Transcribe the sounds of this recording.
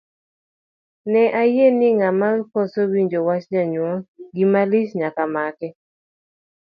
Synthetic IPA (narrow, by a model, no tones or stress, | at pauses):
nɛʔajenɪŋamalkɔsowiɲd͡ʒowat͡ʃɲaɲwɔɡɪmalisɲakamakɛ